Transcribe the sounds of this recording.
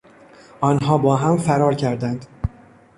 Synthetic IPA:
ʔɒːnɦɒːbɒːɦæmfæɾɒːɾcʰæɾd̪ænd̪

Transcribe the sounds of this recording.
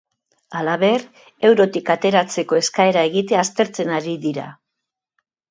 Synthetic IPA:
alaβe̞r | e̞wɾo̞t̪ikat̪e̞ɾat͡se̞ko̞e̞skae̞ɾae̞ɣ̞it̪̬eaːst̪e̞ɾt͡se̞naɾiðiɾa̰

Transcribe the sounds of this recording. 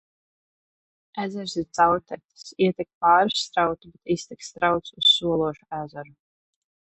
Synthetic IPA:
æzɛɾsiɾt̪sawt̪ʲɛt̪i̥siɛt̪ʲɛk̚paːɾsːt̪ɾawt̪ubɛt̪ist̪ikst̪ɾawt̪sussuɔlˠuɔʃuæːzɛɾu

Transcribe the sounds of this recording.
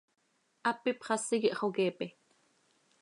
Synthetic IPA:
ʔapːipχɑsikiʔχokɛːpɛ

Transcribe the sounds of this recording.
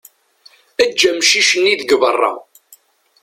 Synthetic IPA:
æd͡ʒːæmʃiʃəniðəɡvərˤːɑ̰

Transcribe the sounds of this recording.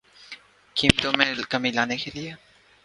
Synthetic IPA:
kiːmt̪oːmẽːkəmĩːlaːnekelɪe

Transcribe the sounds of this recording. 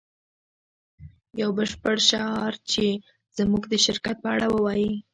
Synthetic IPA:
jawbəʃpəɽʃaɑɾt͡ʃe | z̥muɡd̪əʃɪɾkat̪̚pəaɽawəwɑji

